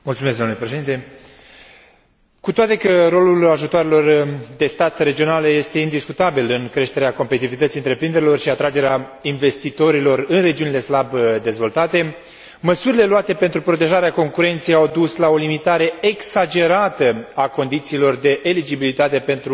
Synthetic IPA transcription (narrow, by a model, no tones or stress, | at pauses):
mult̪sumesɡ̪d̪amnulepɾeʃe̞d̪int̪e̞ | kut̪oat̪e̞kəɾo̞lulaʒut̪oaɾelo̞rd̪e̞st̪at̪re̞d͡ʒio̞nalje̞st̪e̞ind̪iskut̪abilɨŋkɾe̞ʃt̪e̞ɾeako̞mpet̪it̪ivit̪ət̪siɨnt̪ɾe̞pɾind̪e̞ɾeilo̞rʃiat̪ɾad͡ʒe̞ɾeainve̞st̪it̪o̞ɾilo̞rɨnre̞d͡ʒiunileslabd̪e̞zvo̞lt̪at̪e̞ | məsuɾile̞luat̪e̞pe̞nt̪ɾupɾo̞t̪̬e̞ʒaɾeako̞ŋkuɾe̞nt̪sejawd̪uslao̞limit̪aɾe̞eksad͡ʒe̞ɾat̪əako̞nd̪it̪siːlo̞rd̪e̞ʔːlid͡ʒibilit̪at̪e̞pe̞nt̪ɾu